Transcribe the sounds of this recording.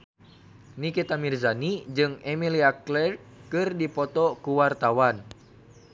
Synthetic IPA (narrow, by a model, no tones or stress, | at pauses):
nikit̪amirzanid͡ʒɨŋɛmiliaklɛr | kɨrdipɔt̪ɔkuwart̪awan